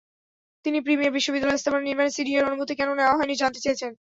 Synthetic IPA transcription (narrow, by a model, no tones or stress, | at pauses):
t̪inipɾimieɾbiʃːobid̪ːalɔjest̪ʰabaneniɾmanesiɖieɾonuɡʱot̪ikɛnoneoaɦɔenid͡ʑant̪et͡ɕajet͡ɕʰen